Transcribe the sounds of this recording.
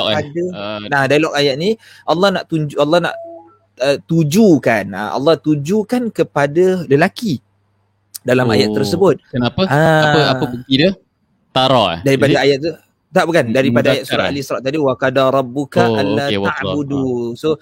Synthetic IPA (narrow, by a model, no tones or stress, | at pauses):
ɔkadanadalɔkajat̪̚ni | ʔɑlːɑhnaʔt̪uɲd͡ʒuɑlːɑhna̰ʔ | ət̪ud͡ʒukana̰ɑ̰lːɑht̪ud͡ʒukankəpadaləlaki | dalama̰jat̪ːərtsəbʊt̪̚kənapəaaəaəbəɡidə | t̪aɾaa̰daɾipadaajat̪̚t̪u | t̪aʔpəkandaɾipadajat̪̚suɾa̰ʔa̰lisɾaʔt̪adiwakadaɾˤɑbːukaʔalaabuduso